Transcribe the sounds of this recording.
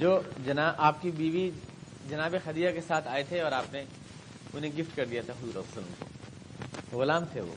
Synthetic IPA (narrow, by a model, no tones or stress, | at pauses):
d͡ʒoːd͡ʒɐnaːʔaːp̚kibiːʋi | d͡ʒɐnaːbexɐd̪iːjakesaːt̪ʰaːet̪ʰeɔːɾaːpne | ʊnɦẽɡɪfʈkɐɾd̪ijat̪ʰaɦʊzuːɾɐ̰ɐsɐləmko̰ | ɣʊlaːmt̪ʰeʋo̰ː